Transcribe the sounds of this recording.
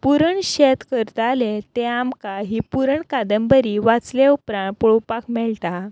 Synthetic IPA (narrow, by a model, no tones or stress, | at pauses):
puɾəɳɕet̪kəɾt̪alet̪eamkaɦipuɾəɳkad̪əmbəɾiʋat͡sleupɾãɳpɔɭopakmɛɭt̪a